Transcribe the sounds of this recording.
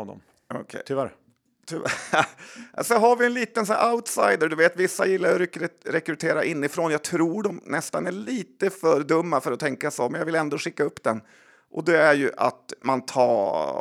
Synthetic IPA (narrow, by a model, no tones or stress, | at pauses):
vd̪ɔ̰m | ɔ̰kʰɛ̰t̪ʰvæɾ | t̪ʰʏ | sɛnɦaɾvɪjɛnliːt̪ənsʔaʊt̪sajd̪əɖɵveːt̪vɪsːa̰jɪlːajɾɾɾɛkɾɵt̪ʰeːɾaʔɪnːɪfɾoːnjɑːt̪ʰɾuːɖɔmnɛst̪anæɭiːt̪əfœɾd̪ɵmːafœɾɔt̪ʰɛŋkasɔmɛnjɑːvɪlɛnd̪oːʂɪkːaɵpːd̪ɛn | ʔɔd̪ɛæɾjɵʔa̰t̪mant̪ʰɑː